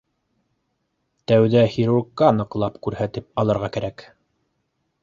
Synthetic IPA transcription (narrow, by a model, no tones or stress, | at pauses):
t̪æwðæhiɾurkːɑnɤ̆qlˠɑpkʉɾhæt̪ɘp̚ɑlˠɤ̆ɾʁɑkæɾæk